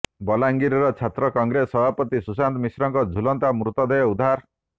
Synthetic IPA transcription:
bɔlaŋɡiɾɔɾɔt͡ʃʰat̪ɾɔkɔŋɡɾesɔbʱapɔt̪isusant̪ɔmisɾɔŋkɔd͡ʒʱulɔnt̪amɾut̪ɔd̪ʱejud̪ʱaɾ

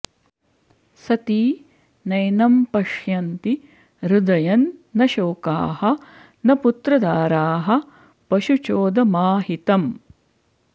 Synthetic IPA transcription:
sɐt̪iː | nɐjnɐmpɐʂjɐnt̪i | ɾud̪ɐjɐnːɐʃoːka̰ːhɐ̆ | nɐput̪ɾɐd̪aːɾaːɦɐ̆ | pɐʃut͡ʃoːd̪ɐmaːɦit̪ɐm

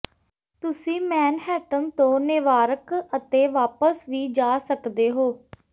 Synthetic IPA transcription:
t̪ʊsĩːmɛːnɦɛːʈənt̪õːnɪʋaːɾəkət̪eːʋaːpəsʋiːd͡ʒaːsəkd̪eːɦoː

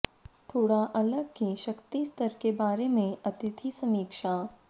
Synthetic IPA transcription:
t̪ʰoːɽaʔɐləɡ̚kiʃɐkt̪ist̪əɾkebaːɾemẽɐt̪ɪt̪ʰisɐmiːkʃaː

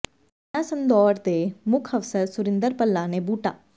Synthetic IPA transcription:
ãsənd̪ɔːɾd̪eːmʊkʰəfsəɾsʊɾɪ̃nd̪əɾpəlːaːneːbuːʈa̰ː

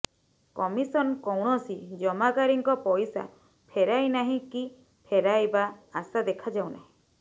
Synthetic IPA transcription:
kɔmisɔnɔkɔwɽ̃ɔsid͡ʒɔmakaɾiŋkɔpɔjsa̰ | pʰeɾajnaɦĩki | pʰeɾajbaːsad̪ekʰad͡ʒawna̰ɦĩ

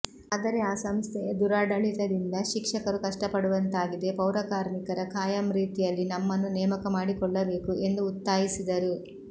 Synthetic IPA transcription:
ɐd̪ɐɾeaːsɐmst̪ʰɛjɐd̪uɾaːɖɐɭit̪ɐd̪ind̪ɐʃikʂɐkɐɾukɐʂʈɐpɐɽuʋɐnt̪aːɡid̪e̞pɐwɾɐkaːɾmikɐɾɐkʰaːjɐmɾiːt̪ijɐlːinɐmːɐnːunɛːmɐkɐmaːɽikɔɭːɐbe̞ːkuʔe̞nd̪uːt̪ːaːjisid̪ɐɾu

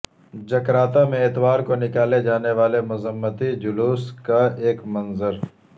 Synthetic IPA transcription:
d͡ʒɐkɾaːt̪amẽɪt̪ʋaːɾkonɪkaːled͡ʒaːneʋaːlemʊzəmːət̪id͡ʒʊluːskaeːkmɐ̃nzəɾ

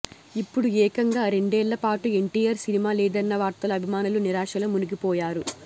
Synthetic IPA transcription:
ipːuɽuɛːkɐŋɡaːɾe̞ɳɖeːɭːɐpaːʈue̞ɳʈiːjɐɾsinimaːlɛːd̪ɐnːɐʋaːɾt̪ɐlɐɐbʱimaːnuluniɾaːʂɐlɐmuniɡipɔːjaːɾu

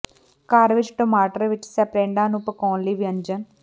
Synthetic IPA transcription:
kaːɾʋɪt͡ʃʈoːmaːʈəɾʋɪt͡ʃːsɛpɾeːɳɖaːnupəkɔːnliʋiɐnd͡ʒən

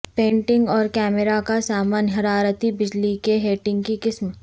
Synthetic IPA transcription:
pẽːɳʈɪ̃ŋɡɔːɾkɛːmɪɾakasaːmaːnɦɐɾaːɾət̪ibɪd͡ʒlikeɦeːʈɪ̃ŋɡ̚kikɪsmə

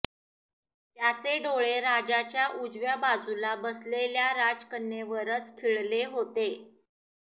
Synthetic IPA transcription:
t̪jat͡seɖoɭeɾad͡ʑat͡ɕjaʔud͡zʋjabad͡zulabəsleljaɾad͡zkənːjeʋəɾət͡skʰiɭleɦot̪e

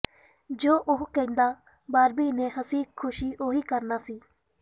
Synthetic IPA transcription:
d͡ʒoːʔʊɦkɛ̃nd̪aː | baːɾbiːnẽːɦəsiːkʰːʊʃiːʔoːɦiːkəɾnaːsiː

